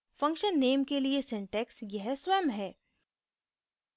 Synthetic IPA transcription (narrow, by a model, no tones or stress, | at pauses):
fɐ̃ŋkʃənːeːmkeliesɪ̃ɳʈɛːksjɛɦsʋɛːmɦɛː